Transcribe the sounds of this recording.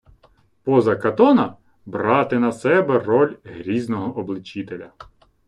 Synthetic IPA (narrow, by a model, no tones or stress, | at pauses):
pɔzɐkɐt̪ɔnɐ | brɑt̪ɪnɐsɛbɛrɔlʲɦɾʲiznɔɦɔʔɔblˠɪt͡ʃit̪elʲɐ